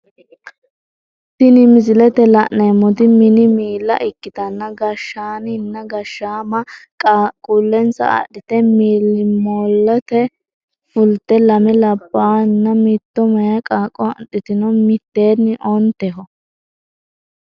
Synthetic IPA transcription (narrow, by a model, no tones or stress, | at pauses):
t̪ɪnɪmɪzɪlɛt̪ɛlɐʔneːmɔt̪ɪmɪnɪmiːlːɐ̰ʔɪkːɪt̪ɐnːɐɡɐʃːaːnnːɐɡɐʃːaːmɐkʼːkʼuːlːɛnsɐ̰ɐ̰ɗɪt̪ɛmiːlːɪmoːlːɛt̪ɛ | fʊlt̪ːɛlɐmɛlɐbːaːnːɐmɪt̪ːɔmɐjɐkʼaːkʼːɔɗɪt̪ɪnɔmɪt̪ːe̞ːnːɪʔɔnt̪ɛɦɔ